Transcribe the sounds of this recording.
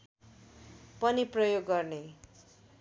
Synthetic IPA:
pʌniprʌjoɡːʌrne

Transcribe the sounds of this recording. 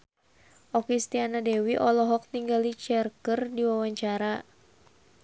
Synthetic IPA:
ʔɔkist̪ianadɛwiʔɔlɔɦɔk̚t̪iŋɡalit͡ʃɛrkərdiwawaɲt͡ʃaɾa

